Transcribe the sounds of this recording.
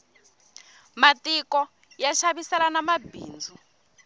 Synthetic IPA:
matikɔ | jaʃaβisɛlanamabʱḭːnd͡zʱu

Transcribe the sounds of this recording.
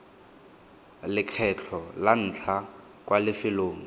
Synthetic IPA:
lɪkʰɛt͡ɬʰɔlan̩ːt͡ɬʰa | kwalɪfɪloːŋ̩

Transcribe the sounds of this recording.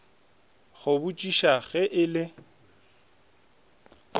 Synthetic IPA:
ɣʊbʊt͡ʃʼiʃaɣɛʔɪlɪ

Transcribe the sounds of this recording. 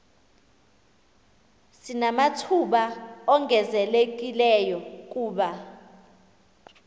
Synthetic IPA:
sinamatʰuɓaɔŋʱɛzɛlek̬ʼilɛjɔk̬ʼuːɓa

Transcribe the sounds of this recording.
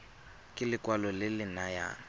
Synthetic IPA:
kʼɪlɪkʼwalɔlɪlɪnaja̰

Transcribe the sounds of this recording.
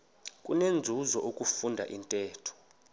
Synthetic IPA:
kʼunend͡zʱuzɔʔokʼufundʱa̰ʔintʼɛːtʰɔ̥

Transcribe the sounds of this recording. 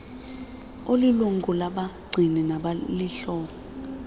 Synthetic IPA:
oliluŋkʼulaɓaɡ͡ǀʱinɛnaɓaliɬɔːɓɔ

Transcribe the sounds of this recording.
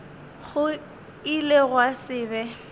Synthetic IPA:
ɣʊ | ileɣwasɪːbɛ

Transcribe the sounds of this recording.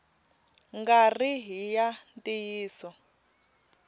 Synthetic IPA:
ŋɡariɦijantʼijiːsɔ

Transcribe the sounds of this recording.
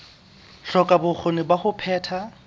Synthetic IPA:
ɬɔkʼabʊk͡xʰonɪbaχʊpʰɛːtʰa

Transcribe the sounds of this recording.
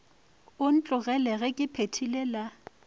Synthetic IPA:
ʊn̩t͡ɬʼʊɣɛlɛɣɛkʼɪpʰetʰilɛla

